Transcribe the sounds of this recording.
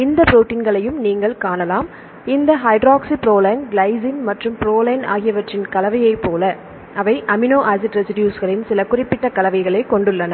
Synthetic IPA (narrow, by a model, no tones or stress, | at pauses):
ɪnd̪ɐpɪɾoːʈːiːnɡɐɭɐjɯmniːŋɡɐɭkaːnɐlaːm | ɪnd̪ɐɦɐɪɖɾaːksɪpɪɾoːlɐɪnɡlɐɪzɪnmɐʈrɯmpɪɾoːlɐɪna̰ːɣɪjɐʋɐʈrɪnkɐlɐʋɐjɐɪpːoːlɐ | ɐʋɐɪʔɐmɪnoːʔasɪʈɾɛsɪɖɪjuːsɣɐɭɪnsɪlɐkːʊrɪpːɪʈːɐkɐlɐʋɐɪɣɐɭeːkɔɳɖɯɭːɐnɐ